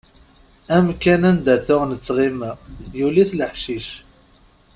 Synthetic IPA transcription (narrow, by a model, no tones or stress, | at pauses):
æmkænænd̪æθʊʁnət͡sːʁiməʁjuliθləħʃiʃ